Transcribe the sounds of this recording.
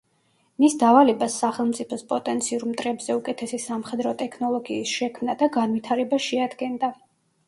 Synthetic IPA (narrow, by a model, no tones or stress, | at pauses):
misd̪avalɛbasːaχɛlˠmt̪sʼipʰɔspʼɔt̪ʼɛnt̪sʰiuɾmt̪ʼɾɛbz̥ɛukʼɛt̪ʰɛsisamχɛd̪ɾɔt̪ʼɛkʰnɔlˠɔɡiːsʃɛkʰmnad̪aɡanvit̪ʰaɾɛbaʃɛad̪ɡɛnd̪a